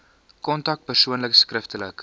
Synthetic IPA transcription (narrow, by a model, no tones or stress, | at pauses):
kɔntɐk̚t̚pərsuənləkskrəftələk